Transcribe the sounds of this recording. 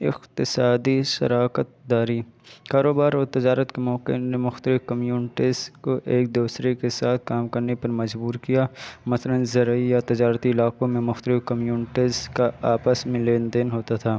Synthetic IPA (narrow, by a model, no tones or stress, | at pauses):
ɪ̰qt̪ɪsaːd̪iʃɐ̰ɾaːkət̪̚d̪aːɾikaːɾoːbaːɾɔːɾt̪ɪd͡ʒaːɾət̪kemɔːqḛnemʊxt̪əlɪfkɐmjuːnɪʈɪzkoʔeːk̚d̪uːsɾekesaːt̪̚ʰkaːmkɐɾnepɐɾmɐd͡ʒbuːɾkijaːmɐsələnzɐɾijat̪ɪd͡ʒaːɾt̪iɪlaːqõmẽmʊxt̪əlɪfkɐmjuːnɪʈɪzkaaːpəsmẽleːnd̪ɪnɦoːt̪at̪ʰaː